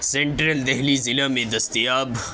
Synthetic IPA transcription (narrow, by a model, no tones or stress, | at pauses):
sẽɳʈɾəld̪ɛɦlizɪlamẽd̪ɐst̪ijaːb